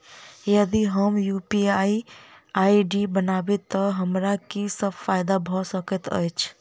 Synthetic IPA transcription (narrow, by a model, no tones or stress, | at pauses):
jəd̪iɦəmjuːpiaiaːiɖibənaːbet̪ɔɦəmɾakisəbfaːjɪd̪abʱɔsəkət̪ə̰jt͡ʃʰ